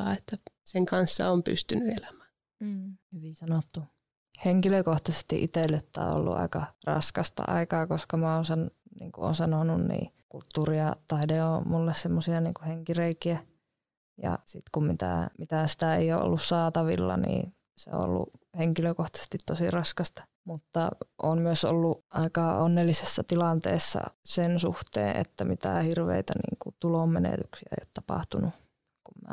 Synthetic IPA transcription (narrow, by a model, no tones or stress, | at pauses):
ɑ̰ːet̪ːæseŋkɑnsːɑ̰ompy̰st̪ynyelæmæː | hyʋisɑnot̪ːu | heŋkiløkoht̪ɑse̥st̪ḭʔit̪elːet̪ːæ̰ːo̰lːṵʔɑ̰ikɑrɑ̰skɑst̪ɑ̰ʔɑ̰ikɑːkoskɑmæoːnsɑnnḭːŋkuo̰nsɑnonunnḭːkult̪ːuːriɑt̪ɑideomulːessemːosiɑniːŋkuheŋkireikiæ | jɑ̰sit̪kummit̪æ̰mit̪æsi̥t̪æḛioʔo̰lːussɑːt̪ɑʋilːɑnḭː | seõ̰o̰lːṵheŋkiløkoht̪ɑse̥st̪it̪t̪osirɑskɑst̪ɑ̥ | mut̪ːɑʔoːnmyøso̰lːuʔɑikɑonːelːisesːɑt̪ilɑnt̪ḛːsːɑ̰sensṵht̪ḛːʔʔḛt̪ːæmit̪æhirʋḛit̪ænḭːŋkut̪ulommenḛt̪yksiæḛijot̪t̪ɑpɑ̰ht̪unu | kummæ